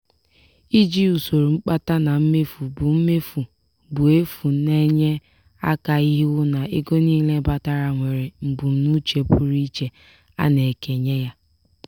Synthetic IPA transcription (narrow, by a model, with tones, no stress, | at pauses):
i˦d͡ʒi˦u˨so˨ɾu˨ŋ͡m̩˦k͡pa˦ta˦na˨m̩˦me˦fu˨bʊ˨m̩˦me˦fu˨ | bʊ˨e˦fu˨ne˦ɲe˦ | a̰˦ka˨i˦ɦi˦wʊ˦na˨e˦ɡo˦niː˦le˦ba˦ta˦ɾa˨ŋʷe˨ɾe˨m̩˨bu˨˦nu˦t͡ʃe˨pʊ˦ɾi˦t͡ʃe˨ | a̰˦ne˨ke˨ɲe˦ja˦